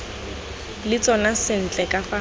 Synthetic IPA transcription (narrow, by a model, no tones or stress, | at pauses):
lɪt͡sʼɔnasɪn̩t͡ɬʼɛkʼafa